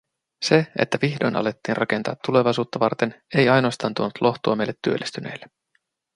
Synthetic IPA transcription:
se̞ḛt̪ːæʋiçdo̞jnʔɑ̰le̞t̪ːiːnrʔɑke̞nt̪ɑ̰ːt̪ːule̞ʋɑjsuːt̪ːɑʋɑrt̪e̞ne̞jɑjnoɑst̪ɑːnt̪uonut̪lʔo̞ht̪uɑme̞jlːet̪ːyølːʔist̪yne̞̰jlːe

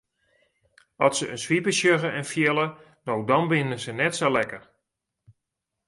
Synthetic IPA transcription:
ɔsəʔənsʋipəʃjøɣəʔɛnfjɪlˠə | nowdɔnbɪnəzənɛtsolɛkər

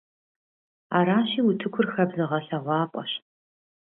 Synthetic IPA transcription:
aːɾaːɕiːutʰɨkʷʰʊrxɐbzɐʁɐɬɐʁʷɑːpʼɔ̰ɕ

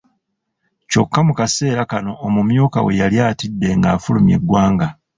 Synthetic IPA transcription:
co̞kːamukase̞ːɾakano̞ʔːmumjuːka̰we̞jaljaːtidːe̞ŋɡaːfulumje̞̰ɡːwaːŋɡa

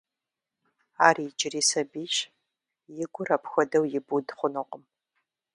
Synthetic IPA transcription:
aːriːd͡ʒɪriːsɐbiːʃ | jɪɡʷʊrɐpʰxʷɐdɐwjɪbudχʷʊnʊqʼəm

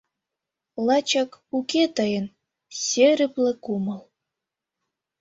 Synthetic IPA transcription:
lɑt͡ɕɑkuket̪ɤjə̆n | sʲeɾɘ̆plĕkuməl

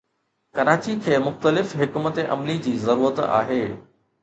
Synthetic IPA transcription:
kɐɾaːt͡ɕikʰeːmʊxt̪əlɪfɦɪkmət̪eʔɐ̰mlid͡ʑiːzɐɾuːɾət̪a̰ːɦeː

